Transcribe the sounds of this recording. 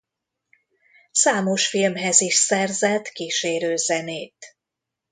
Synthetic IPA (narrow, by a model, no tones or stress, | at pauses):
saːmoʃfilmɦɛziʃsɛrzɛt̪kiːʃeːɾøːzɛneːt̪